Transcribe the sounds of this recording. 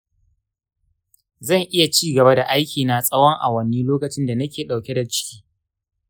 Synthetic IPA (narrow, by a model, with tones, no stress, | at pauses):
zɐ˦˨ŋʔɪ˦ja˨t͡ʃiː˦ɡɐ˨ba˦da˨ʔa˦jkʲiː˨na˨sʼɐ˦wɔ˦ŋʔa̰˨wɐ˦niː˦loː˦kɐ˨t͡ʃɪ˦nda˨nɐ˦kʲeː˨ɗa˨wkʲe˦da˨t͡ʃɪ̥˦kʲi̥ː˦